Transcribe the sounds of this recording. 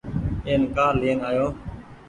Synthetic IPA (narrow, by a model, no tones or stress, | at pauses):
eːnkaːɾliːnaːjoː